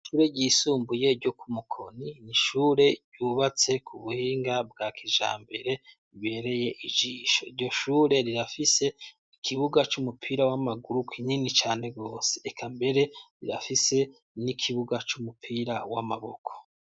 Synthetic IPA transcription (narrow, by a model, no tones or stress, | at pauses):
ʃuːɾe̞ɟiːsuːmbuje̞ɾɟo̞kʰumukʰo̞niniʃuːɾe̞ɟ̥uːβat͡se̞kʰuβuhiːŋɡabɡaːkʰiʒa̰ːmbe̞ɾe̞ | βe̞ːɾe̞je̞ʔid͡ʒiːʃo̞̰iɾɟo̞ʃuːɾe̞ɾiɾafise̞ | ikʰiβuɡat͡ʃumupʰiːɾawamaɡuɾukʰiɲinit͡ʃaːne̞ɡo̞ːse̥ːkʰambe̞ɾe̞ɾiɾa̰fise̞ | nikʰiβuɡat͡ʃumupʰiːɾawamaβo̞̰kʰo̥